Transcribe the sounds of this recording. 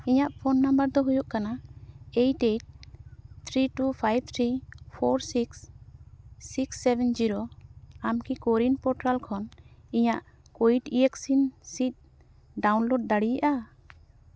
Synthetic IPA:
iɲaʔpʰonːambəɾd̪ɔɦujuʔkanaejʈeʈ̚t̪ʰɾiʈupʰajb̚t̪ʰɾipʰɔɾsiksː | iksːɛbɛnd͡ʒiɾoamkikoɾinpɔɾʈɾalkʰɔniɲaʔ | koiʈieksinsit̪̚ | ɖawnloɖ̚ːaɽijaʔa

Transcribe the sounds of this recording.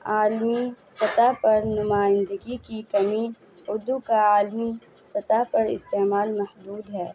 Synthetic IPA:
aːlmi | sɐt̪apɐɾnʊmaːɪ̃nd̪əɡikikɐmi | ʊd̪ukaaːlmi | sɐt̪aɦpɐɾɪ̰st̪eːmaːlmɐhd̪uːd̪ɦɛː

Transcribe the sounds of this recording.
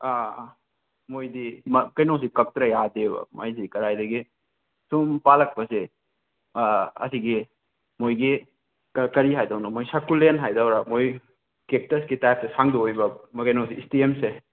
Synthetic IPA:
a | mojdimɐkɐjnows̬ikɐp̚tɾɐjadebɐ̰ma̰jzikɐɾajdɐɡi | sumpalɐk̚pɐse | ɐ̰siɡi | mojɡi | kkɐɾiɦajdawnɐmojsakulenɦajdawɾɐmoj | kek̚tɐsɡitajp̚tɐsaŋduojbɐmɐkɐjnowsiːstiemse

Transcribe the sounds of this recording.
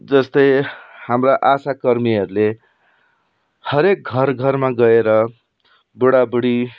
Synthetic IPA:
d͡zʌst̪ʌjhamraʔasakʌrmiʌɾule | hʌɾek̚ɡʱʌrɡʱʌrmaɡʌeɾʌ | buɽabuɽi

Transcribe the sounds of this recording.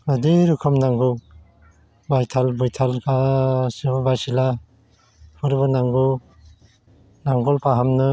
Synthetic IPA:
adiɾukʰɔmnaŋɡu | bajtʰalbɔjtʰalkʰasɯbabajsila | pɯɾbɯnaŋɡu | naŋɡɔlpaɦamnɯ

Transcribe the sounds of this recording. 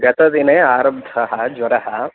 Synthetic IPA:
ɡɐt̪ɐd̪ineaːɾɐbd̪ʱɐɦɐd͡ʒʋɐɾɐɦɐ

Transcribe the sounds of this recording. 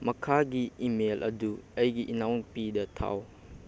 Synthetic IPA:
mɐkʰaɡiimelʔɐ̰duɐjɡiʔinawnpidɐtʰa̰w

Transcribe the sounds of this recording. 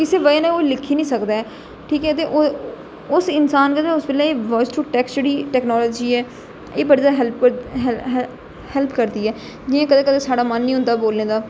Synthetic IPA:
kɪseːʋəeːnẽːoːilɪkʰːiːnĩːsəkd̪aːɛː | ʈʰiːkɛːt̪̬eːʔo | ʊsɪnsaːnkəd̪eːʊsbɪlaːeːʋɔːsʈɾuːʈɛːksd͡ʒeːɽiːʈɛːknɔːlɔːd͡ʒiːɛː | eːbəɽid̪aːɦɛlp | hɛlpʰkəɾd̪iːɛː | d͡ʒɪjãːkəd̪eːkəd̪eːsaːɽaːmənːĩːɦʊ̃nd̪aːboːlneːd̪aː

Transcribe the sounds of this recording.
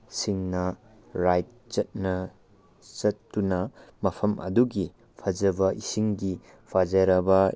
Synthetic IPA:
siŋnɐ | ɾajt̚t͡ʃɐt̚nɐ | t͡ʃɐtːunɐmɐpʰɐmʔɐ̰duɡi | pʰɐd͡ʒɐbɐʔisiŋɡi | pʰazɐɾɐbɐ

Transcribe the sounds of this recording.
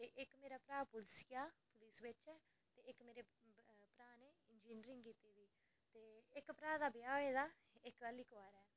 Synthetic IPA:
t̪eːʔɪkmeːɾaːpɾaːpʊlsɪjaːpʊlɪsʋɪt͡ʃɛː | t̪eːɪkmeːɾeː | pɾaːneːɪnd͡ʒiːnɾɪ̃ŋɡkiːt̪eːd̪iː | t̪eːɪkpɾaːd̪aːbɪjaːʋeːd̪aː | ɪkkəlːiːkʋaːɾɛː

